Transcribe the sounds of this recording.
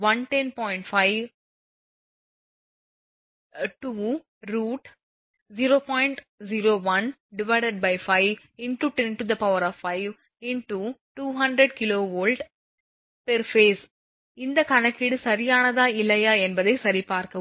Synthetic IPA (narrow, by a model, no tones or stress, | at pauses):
ʋɐnʈɛnpɔːɪɳʈfɐɪʋ | ʈuː | ɾuːʈ | ziɾoːpɔːɪɪɳʈ | ziɾoːʋɐn | ɖɪʋɐɪɖɐɖ̚bɐɪfɐɪʋ | ɪnʈuʈɛnʈud̪ɐpɐʋɐɾɔːfːɐɪʋ | ɪnʈuʈuːɦɐɳɖɾəɖkɪloːʋoːlɖ | pɛɾfeːs | ɪnd̪ɐkɐnɐkːɪɽɯsɐɾɪjaːnɐðaːɪlːɐjaːɛnbɐðɐɪsɐɾipaːɾkɐ